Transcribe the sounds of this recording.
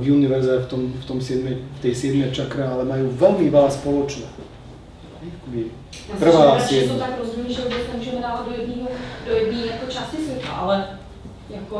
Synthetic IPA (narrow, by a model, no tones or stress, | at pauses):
vjunɪvɛɾzɛft̪omft̪omsjɛd̪mɪft̪ɛːsjɛd̪mɛt͡ʃakɾaalɛmajuːvɛlmɪvalspolot͡ʃnɛː | akobɪ | r̩vaːsɛot̪akɾozumiːʒɛbɪsnɛmuːʒɛmɛdaːvad̪̚dojɛdniːɦodojɛdniːjakot͡ʃastɪsvʲjɛt̪la̰ʔalɛ | jako